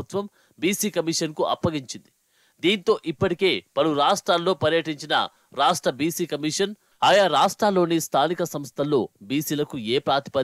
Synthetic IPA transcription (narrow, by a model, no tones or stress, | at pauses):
ut̪ʋɐm | biːsiːkɐmiʂɐnkuʔɐ̰pːɐɡiɲt͡ʃind̪i | d̪iːnt̪o̞ːʔipːɐʈike̞ːpɐluɾaːʂʈɾaːlːo̞ːpɐɾjɐʈiɲt͡ʃinɐ̰ | ɾaːʂʈɾɐbiːsiːkɐmiʂɐn | aːjaːɾaːʂʈɾaːlːo̞ːnist̪ʰaːnikɐsɐmst̪ʰɐlːo̞ːbiːsiːlɐkueːpɾaːt̪ʰi̥pɐ